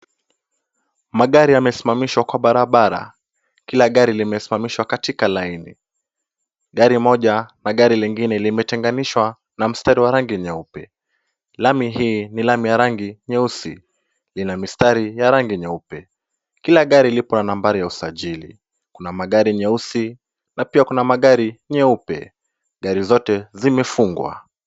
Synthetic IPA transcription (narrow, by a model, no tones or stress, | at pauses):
maɠaɾiamɛsimamiʃwakwaɓaɾaɓaɾa̰ | kilaɠaɾilimɛsi̥mamiʃwakatikalainḭ | ɠaɾimɔʄanaɠaɾiliŋɡinɛlimɛtɛŋɡaniʃwa | nam̩staɾiwaɾaŋɡiɲɛupɛ | lamiɦiːnilamijaɾaŋɡiɲɛusḭ | linamistaɾijaɾaŋɡiɲɛupɛ | kilaɠaɾilipɔnanambaɾijausaʄilḭ | kunamaɠaɾiɲɛusi | napiakunamaɠaɾiɲɛupɛ̰ | ɠaɾizɔtɛzimɛfuŋɡwa̰